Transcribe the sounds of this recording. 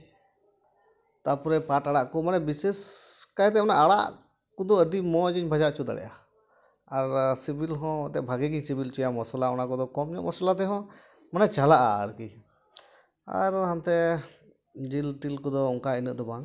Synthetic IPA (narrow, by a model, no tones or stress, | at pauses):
t̪apɔɾɛpaʈaɽaʔkɔmanɛbisɛskaɛt̪̬ɛmɔnaʔaɽa̰ʔ | kɔd̪ɔəɖimɔd͡ʒiɲbʱad͡ʒaʔt͡ʃud̪a̰ɽɛ̰ʔa | aɾsibilɦɔ̃t̪ɛʔbʱaɡiɡiɲsibilt͡ʃujamɔsɔlaɔnakɔd̪ɔkɔmɲɔʔmɔsɔlat̪ɛɦɔ̃ | manɛt͡ʃalaʔa̰ə̰ɽki | a̰ɾãnt̪ɛ | d͡ʒilʈilkɔd̪ɔɔŋkainə̰ʔ̚d̪ɔbaŋ